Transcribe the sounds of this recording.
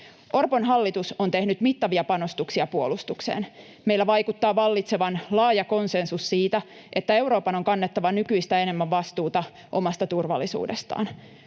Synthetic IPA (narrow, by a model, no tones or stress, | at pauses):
ʔo̞rponɦɑlːit̪usont̪e̞hnyt̪mit̪ːɑʋiɑpɑno̞st̪uksiɑpuolust̪uksḛːn | me̞ilːæʋɑjkut̪ːɑːʋɑlːit̪seʋɑnlɑːjɑko̞nsensussiːt̪æ | ʔet̪ːæe̞wɾo̞ːpɑnoŋkɑnːet̪ːɑʋɑnykyist̪æe̞ne̞mːæʋʋɑst̪uːt̪ɑ | ʔo̞mɑst̪ɑt̪urʋɑ̰lːisṵːdest̪ɑ̰ːn